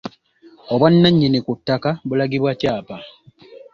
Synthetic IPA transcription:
oβwanːaɲːinikutːakabulaɡiβwacaːpa

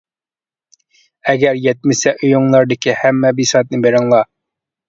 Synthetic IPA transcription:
æɡʲæɾjɛt̪̚mɪsɛʔojoŋlˠɑɾd̪ɪkʲɪhæmːɛbisɑːt̪̚nɨbeɾɑŋlˠɑ

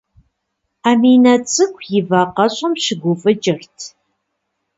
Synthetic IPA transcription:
aːmiːnɐt͡sʼɨkʷʰjɪvaːqɐɕʼɐmɕɪɡʷʊfʼɨt͡ʃʼɪrtʰ

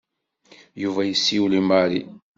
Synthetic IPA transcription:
juvæjəsːiwlimaɾḭ

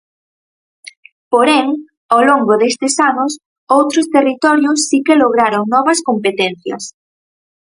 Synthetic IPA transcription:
poɾeŋ | aloŋɡoðest̪ɪsanʊs | owt̪ɾʊst̪erit̪ɔɾjʊsːikeloɣ̞ɾaɾoŋnɔβɐskompet̪enθjɐ̰s

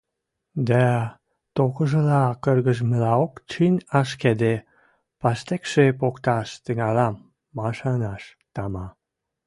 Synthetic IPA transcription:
d̪æ | t̪okəʒə̆lɑkərɣəʒmə̆lɑokt͡ɕinʲɑʃked̪e | pɑst̪ekʃepokt̪ɑʃt̪əŋɑlɑmː | ɑʃɑnɑʃ | t̪ɑmɑ

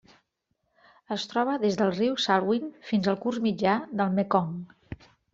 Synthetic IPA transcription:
əst̪ɾɔβəðezðəlˠriwsalˠwinfinzəlˠkurzmid͡ʒaðəlˠmekɔŋ

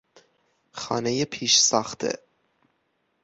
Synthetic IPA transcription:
χɑ̰nɛjəpʰiʃsɑχt̪ʰɛ̰

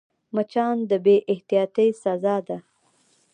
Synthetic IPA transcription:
mat͡ʃɑnd̪əbeʔɪht̪ijɑt̪əjsazɑd̪a

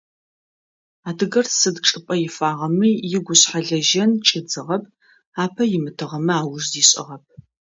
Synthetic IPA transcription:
aːdɨɣɐrsɨdʈ͡ʂʼɨpʼɐjɪfaːʁɐmiːjɪɡʷʊɕħaɮɐʒɐnt͡ʃʼɪd͡zɨʁɐp̚ʰ | aːpʰɐjɪmɨtʰɨʁɐmɨaːwʊʐziːɕʼɪ̰ʁɐp̚ʰ

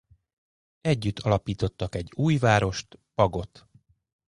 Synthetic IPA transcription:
ɛɟːyt̪ʰːɒlɒpiːt̪o̞t̪ːɒkɛɟːuːjvaːɾo̞ʃt̪pɒɡo̞t̪

